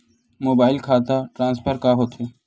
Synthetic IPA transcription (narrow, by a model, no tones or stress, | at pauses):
moːbaːɪlkʰaːt̪aʈɾãːnspʰəɾkaɦoːt̪ɦeː